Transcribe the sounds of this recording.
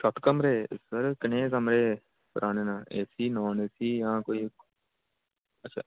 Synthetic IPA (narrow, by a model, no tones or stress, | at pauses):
ʃət̪kəmɾeːsəɾkɪnẽːkəmɾeː | pəɾʔaːneːnãːeːsiːnoːneːsiːjãːkoːiː | əːʃʰa̰ː